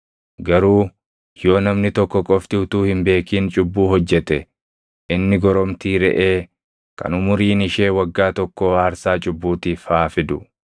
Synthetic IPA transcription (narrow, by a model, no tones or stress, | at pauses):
ɡɐɾuː | jo̞ːnɐmnɪt̪ɔkːɔkʼɔft̪ɪt̪uːhɪmbe̞ːkiːnt͡ʃʼʊbːuːhɔd͡ʒːɛt̪ɛ | ʔɪnːɪɡɔɾɔmt̪iːɾɛ̰ʔeː | kɐ̰nʊmʊɾiːnɪʃe̞ːwɐɡːaːt̪ɔkːɔhaːɾsaːt͡ʃʼʊbːuːt̪iːfaːfɪd̪ʊ